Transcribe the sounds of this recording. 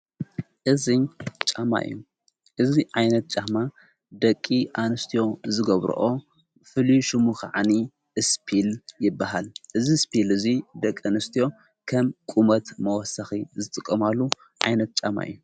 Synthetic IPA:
ʔɨzit͡ʃʼama̰ɨ̰jːu | ʔɨziʕajnɐt̪̚t͡ʃʼama | d̪ɐkʼːiʔanɨst̪ʰijo̞zɨɡɐβɾṵʔo̞ | fɨliʃɨmuxʕani | ɨspʰiljɪbːaɦalʔɨzispʰilɨzid̪ɐkʼːanɨst̪ʰijo̞ | kʰɐmkʼumɐt̪mɐwɔsaxizɨt̪ʼɨkʼːɐmalːu | ʕajnɐt̪̚t͡ʃʼama̰ʔɨ̰jːu

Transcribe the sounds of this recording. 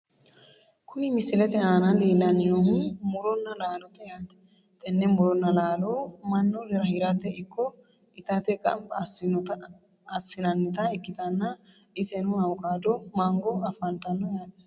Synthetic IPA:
kʰʊnɪmɪsɪlɛt̪ɛhaːnɐliːlɐnjoːmmʊɾɔnːɐlaːlɔt̪ɛjaːt̪ɛ̥ | t̪ʼɛnːɛmʊɾɔnːɐlaːloːmɐnːɔlɛɾɐhiɾɐt̪ːɛɪkʰːɔ | ɪt̪ɐt̪ɛkʼɐ̰mbɐsɪt̪ː | sːɪnɐnːɪt̪ɐɪkːɪt̪ɐnːɐ | ɪsɛnʊhɐwkaːd̪omaŋɡɔɐfɐnt̪ɐnːɔjaːt̪ɛ̥

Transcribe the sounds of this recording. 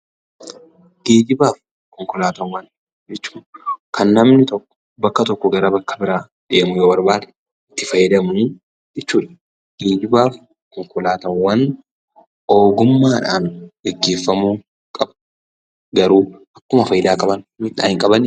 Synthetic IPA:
ɡ̥e̞ːɡɪbaːf | kɔŋkɔlaːt̪ɐmwɐn | d͡ʒɛt͡ʃːu̥ːkʰɐnːɐmnɪt̪ɔkːɔ̥ | bɐkːɐt̪ɔkːɔɡɐɾɐbɐkːɐ̥bɪɾaː | ᶑeːmʊjoːbɐɾbaːd̪ɛ̥ | ɪt̪ːɪfɐjːɛd̪ɐmuː | d͡ʒɛt͡ʃːuːᶑɐ̥ | ɡ̥eːɡɪbaːf | kɔŋkʊlaːt̪ɐmwɐn | o̞ːɡʊmːaːᶑa̰ːnɡ̥ɛɡːeːfːɐmuː | kʼɐb | ɡɐɾuː | ɐkːʊmɐfɐjɪd̪aːkʼɐbɐnmɪt̪a̰ːhɪŋkʼɐbɐn

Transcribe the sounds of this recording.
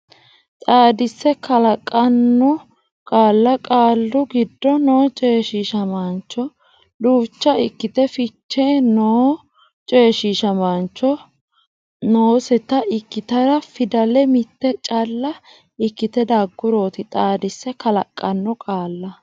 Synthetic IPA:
t̪ʼaːd̪ɪsːɛkɐlɐkʼːɐnːɔ | kʼaːlːɐkʼaːlːʊɡɪd̪ːɔno̞ːt͡ʃʼe̞ːʃiʃɐmaːnt͡ʃːɔ | luːt͡ʃːɐɪkːɪt̪ɛfɪt͡ʃːenoː | t͡ʃʼe̞ːʃiʃɐmant͡ʃːɔ | noːsɛt̪ɐʔɪkːɪt̪ɐɾɐfɪd̪ɐlɛmɪt̪ːɛt͡ʃʼɐlːɐ | ɪkːɪt̪ɛd̪aːɡːʊɾoːt̪ɪt̪ʼaːd̪ɪsːɛkɐlɐkʼːɐnːɔkʼaːlːɐ

